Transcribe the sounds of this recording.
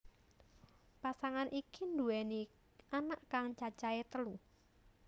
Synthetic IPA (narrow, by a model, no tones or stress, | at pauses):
pasaŋanʔikind̪uɛni | ʔanaʔkaŋt͡ʃat͡ʃaet̪əlu